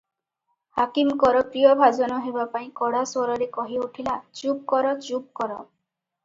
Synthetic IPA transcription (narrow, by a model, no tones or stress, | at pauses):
hakimkɔɾɔpɾijɔbʱad͡ʒɔnɔɦebapaĩkɔɽaswɔɾɔɾekɔɦiuʈʰilat͡ʃup̚kɔɾɔt͡ʃup̚kɔɾɔ